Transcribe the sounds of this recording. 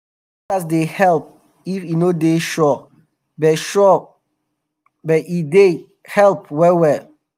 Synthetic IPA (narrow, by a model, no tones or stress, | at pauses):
asdehɛlp̚ | ifinodeʃɔ | bɛʃɔ | bɛide | hɛlp̚wɛwɛ